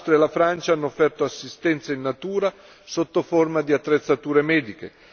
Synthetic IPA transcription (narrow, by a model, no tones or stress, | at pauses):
st̪ɾjaelafɾant͡ʃaanːoːfːɛrt̪oasːist̪ɛnt̪sainːat̪uːɾa | sot̪ːoformad̪iat̪ːɾet̪sːat̪uːɾemɛːd̪ikḛ